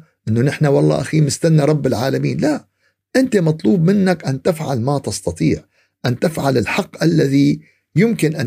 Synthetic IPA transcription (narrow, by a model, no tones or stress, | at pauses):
ʔɪnːʊnɪħnawɑlˤːɑ̰ːʔaxiːmɪst̪anːaɾˤɑbːɪlʕaːlamiːnlaʔ | ʔɪnt̪imɑt̪ˤluːbmɪnːakʔant̪ɪfʕalmat̪ɪst̪ɑt̪ˤiːʕ | ʔant̪ɪfʕalɪlħɑqːʔalːaði | jɪmkɪnʔa